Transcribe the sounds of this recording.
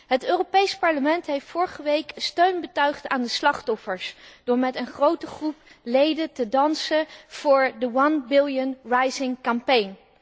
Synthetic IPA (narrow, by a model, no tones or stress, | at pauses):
ɦətøːropejspɑɹləmɛntɦejftfʊːɹχəʋejkstøɥnbətœɥχtaːndəslɑχtɔfəɹsd̥ʊːɹmɛtənχrowtəχruplejdətədɑnsəv̥ʊːɹdəwɑnbɪlˠjənrajzɪŋkampejn